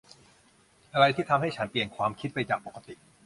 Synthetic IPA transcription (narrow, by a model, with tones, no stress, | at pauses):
ʔa˧ɾa˧jt̪ʰiː˥˩t̪ʰa˧mha˥˩jt͡ɕʰa˦˥npli˨˩ənkʰwaː˧mkʰi˦˥t̪̚pa˧jt͡ɕaː˨˩k̚po˨˩ka˧t̪i˨˩ʔ